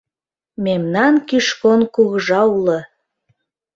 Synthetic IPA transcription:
memnɑnkiʃkonkuɣəʒɑulə

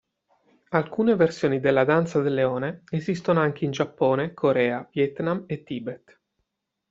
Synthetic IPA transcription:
alkuːneversjoːnid̪elːad̪ant̪sad̪elːeoːneezist̪onoaŋk̟eind͡ʒapːoːnekʰoɾɛːavjɛt̪namet̪ːiːbet̪

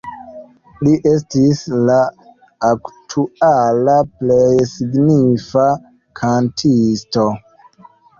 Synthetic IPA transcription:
liʔes̬tislaː | ktʰualaplejsiɡnifa | kʰantʰisto

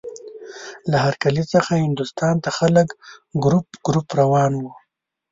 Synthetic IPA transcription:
laɦaɾkalit͡səxahɪnd̪ʊst̪ɑnt̪axaləkɡɾupɡɾupɾawɑnwu

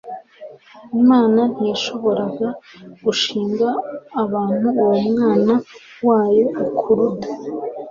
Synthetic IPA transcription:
imaːnan̥ijaʃo̞βo̞ɾaɡaɡ̥uʃiːŋɡaːβaːn̥uwemŋaːna | waːjo̞ukʰuɾu

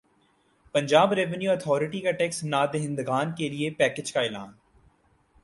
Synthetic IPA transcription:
pɐ̃ɲd͡ʒaːbɾɛʋənjuːət̪ʰɔːɾɪʈikaʈɛːksnaːd̪eɦɪ̃nd̪ɡaːnkeliepɛːked͡ʒkaɪlaːn

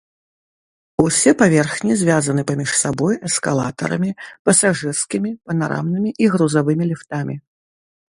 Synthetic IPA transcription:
usʲɛpavʲɛrxnʲizʲvʲazɐnɨpamʲiʂsabɔjɛskalˠa̰t̪ɐ̰ɾɐ̰mʲipɐsaʐɨrskʲimʲipɐnaɾa̰mnɨmʲiʔiɣɾuzavɨmʲilʲift̪amʲi

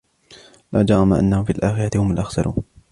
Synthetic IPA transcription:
laːd͡ʒɑɾˤɑmaʔa̰nːahʊmfiːalʔaːxɪɾˤat̪ɪhʊmʊlʔaxsaɾʔṵːn

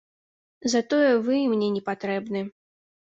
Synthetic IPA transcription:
zɐt̪ɔjɛvɨmnʲɛnʲɛpat̪ɾɛbnɨ

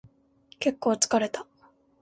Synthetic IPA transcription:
ke̞kːo̞ːt͡sɨ̥kaɾe̞t̪ḁ

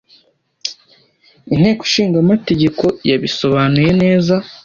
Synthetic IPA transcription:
in̥he̞ːku̥ʃiːŋɡamate̞ɟe̞ko̞jaβiso̞βaːnuje̞ne̞ːza

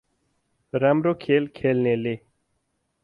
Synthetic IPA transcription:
ɾamɾokʰeːlkʰelnele

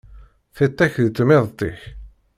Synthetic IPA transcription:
θɪt̪ˤːæçðt͡s̪ːmɪðˤt̪ˤɪç

